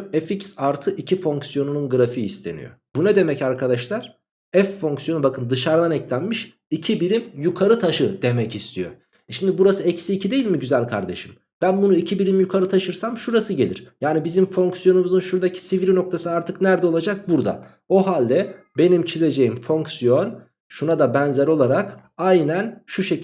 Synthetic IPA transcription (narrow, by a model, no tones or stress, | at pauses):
eficsaɾt̪ʰɯʔicʰifo̞ŋksjo̞nununɡɯɾafiːst̪ʰe̞̰nḭjo̞̰b̥uned̪e̞mɛcaɾkʰad̪aʃlˠaɾ̥ | ɛfːo̞ŋksjo̞nubakʰɯnd̪ɯʃaɾd̪anɛclʲænmiʃ | icʰibiɾimjukʰaɾɯt̪ʰaʃɯd̪̥e̞mɛcist̪ʰijo̞̰ | ʃimd̪ibuɾasɯɛcsiːcʰid̪e̞jilʲmiɟyzælʲkʰa̰ɾd̪e̞̰ʃɯm | b̥ænbunuicʰibiɾʲimjukʰaɾɯt̪ʰaʃɯɾsamʃuɾasɯɟe̞lʲiɾ̥jaːnibizimfo̞ŋksjo̞numuzɯnʃuɾd̪acʰi̥siviɾino̞k̚t̪ʰasɯaɾt̪ʰɯknæɾd̪ɛo̞lˠad͡ʒak̚buɾd̪a̰ | o̞ɦalʲd̪ɛ | be̞nimt͡ʃʰize̞d͡ʒe̞jimfo̞ŋksijo̞n | ʃunad̪abɛnzɛɾo̞lˠaɾakajnænʃuʃe